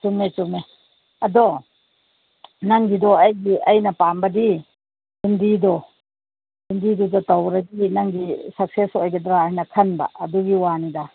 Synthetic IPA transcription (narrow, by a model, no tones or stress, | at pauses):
t͡ʃuŋnet͡ʃumne | ɐdɔ | naŋɡidɔajɡiɐjnapambɐdi | dundidɔ | dundidudɔtawɾaɡinaŋɡisak̚sesɔajɡadɾaajnakʰɐnba̰ɐduɡiwanida